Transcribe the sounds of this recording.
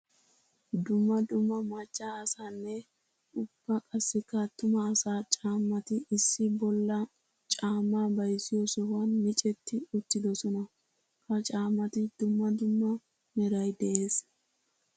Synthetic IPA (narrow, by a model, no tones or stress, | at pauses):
d̪ʊmːɐd̪ʊmːɐmɐt͡ʃːaɐsaːnːɛ | ʔʊb̥ːɐkʼɐsːɪkːɐt̪ːʊmɐːsaːt͡ʃʼaːmːɐt̪ɪɪsːɪbɔlːɐ | t͡ʃʼaːmːaːbɐjsɪjɔsɔhɐnmɪt͡ʃʼɛt̪ːɪʊt̪ːɪd̪ɔsɔnɐ | kɐt͡ʃʼaːmːɐt̪ɪd̪̥ʊmːɐd̪ʊmːɐ | mɛɾɐjd̪ɛʔe̞ːs